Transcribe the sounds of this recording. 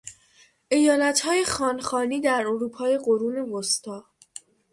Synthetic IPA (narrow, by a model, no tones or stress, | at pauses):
ʔe̞jɒːlæt̪hɒːje̞xɒːnxɒːniːd̪æɾoɾuːpʰɒːje̞ɢoɾuːneɣost̪ɒː